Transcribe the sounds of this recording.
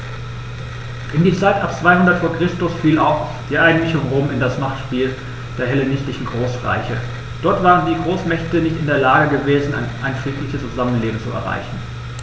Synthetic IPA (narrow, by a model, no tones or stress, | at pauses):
ʔɪndiːt͡saɪtʔap̚t͡sv̥aɪhʊndɐtfoːɐkʁ̥ɪstʊsfiːla̰ʊf | d̥iːʔaɪɡŋn̩mɪçʊŋʁoːmɪndasmaχtʃpiːl | d̥eːɐɦɛlenɪstlɪçn̩ɡʁoːsʁa̰ɪçə | d̥ɔɐtv̥aːʁəndiːɡʁoːsmɛçtənɪçtɪndeːɐlaːɡəɡəveːzn̩a̰ɪnʔaɪnfʁ̥iːklɪçəst͡suzamənleːbm̩t͡suɛ̰ɐʁa̰ɪçn̩